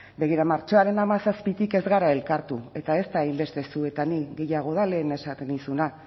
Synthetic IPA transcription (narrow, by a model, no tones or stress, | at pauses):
be̞ɣiɾamaɾt͡ʃo̞aɾe̞namasaspit̪ike̞zɣaɾae̞lkaɾt̪ue̞t̪ae̞st̪ailbe̞st̪e̞sue̞t̪aniɣe̞jaɣ̞o̞ð̞ale̞ːne̞sat̪e̞nisuna